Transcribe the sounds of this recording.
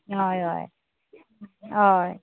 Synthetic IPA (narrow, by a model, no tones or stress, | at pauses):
ɦɔjɦɔ̰j | ɦɔj